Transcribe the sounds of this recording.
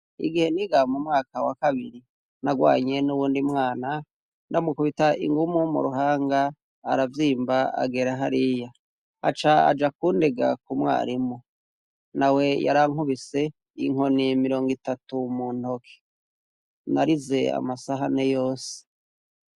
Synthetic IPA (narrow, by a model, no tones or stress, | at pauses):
ḭɡihe̞niɡamumŋaːkawakaβiɾi | naɡwa̰ːɲe̞nuβuːndimŋaːna | ndamukuβitaʔḭŋɡumumṵɾuɦaːŋɡa̰ː | ɾavjiːmbaa̰ɡeɾaɦaɾija | a̰t͡ʃaa̰d͡ʒakuːndeɡa̰kumwa̰ːɾimo | nawe̞ja̰ɾaŋuβise̞ | iŋo̞nimiɾo̞ːŋɡitatumuːn̥ho̞kʰe̥ | naɾize̞a̰masaɦanejo̞ːse̥